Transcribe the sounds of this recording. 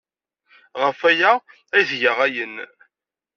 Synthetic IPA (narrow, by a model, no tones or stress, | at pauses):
ʁəfæjæ | æðʝəʁæjən